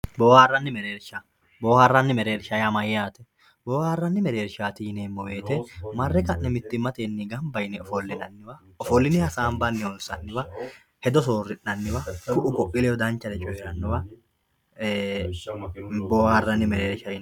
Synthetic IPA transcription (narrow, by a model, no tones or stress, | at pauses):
boːhaːrːɐnːɪmɛɾeːɾʃa | boːhaːrːɐnːɪmɛɾeːɾʃɐjɐmɐjːaːt̪ɛ | boːharːɐnːɪmɛɾeːɾʃaːt̪ineːmːɔweːt̪ɛmɐrːɛkʼɐʔnɛmɪt̪ːɪmːɐt̪eːnːɪɡɐmbɐjnɛɔfɔlːɪnɐnːɪwɐ | ɔfɔlːɪnɪhɐsaːmbɐnːɪɔlsɐnːɪbɐ | hɛd̪ɔsoːrːɪnːɐnːɪbɐfʊʔʊkʼɔʔʼɪlɛɔd̪ɐnt͡ʃːɐd̪ɛt͡ʃʼɔhɛɾɐnːʊbɐ | boːhaːrːɐnːɪmɛɾeːɾʃɐɪ